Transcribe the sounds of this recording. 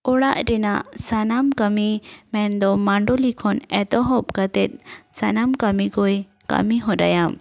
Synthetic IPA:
ɔɽaʔɾɛnaʔsanamkamimɛnd̪ɔmaɳɖɔlikʰɔnɛt̪ɔɦɔp̚kat̪ɛt̪̚sanamkamiɡɔj | ka̰miɦɔ̃da̰jam

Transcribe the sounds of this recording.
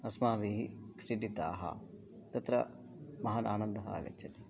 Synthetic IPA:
ɐsmaːʋiːɦikʂiʈit̪a̰ːɦɐ̰ | t̪ɐt̪ɾɐ̰ | mɐɦanʔaːnɐnd̪ɐɦɐa̰ɡɐ̰t͡ʃːʃʰɐt̪i̥

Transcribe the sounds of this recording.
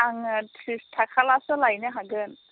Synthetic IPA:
aŋtʰistʰakʰalasɔlajnɯɦaɡɯn

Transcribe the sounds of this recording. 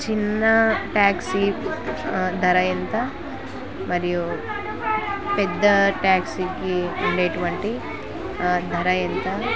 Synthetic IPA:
t͡ʃinːɐʈaːksi | d̪ʱɐɾɐjɐnt̪ɐ | mɐɾiju | ped̪ːɐʈaːksiɡimɐɳɖeʈʋɐɳʈi | d̪ʱɐɾɐjɐnt̪ɐ

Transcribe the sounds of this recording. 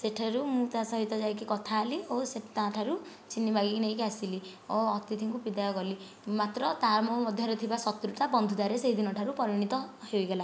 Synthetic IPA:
seʈʰaɾumũt̪ãsɔɦit̪ɔd͡ʒajkikɔt̪ʰaːlioseʈʰt̪ãʈʰaɾu | t͡ʃinːibʱaɡikinejkasili | oɔt̪it̪ʰĩŋkupid̪ajɔɡɔli | mat̪ɾɔt̪aɾmɔmɔd̪ʱjɔɾet̪ʰibasɔt̪ɾut̪abɔnd̪ʱud̪aɾeseɦid̪inɔʈʰaɾupɔɾiɽ̃it̪ɔhejɡela

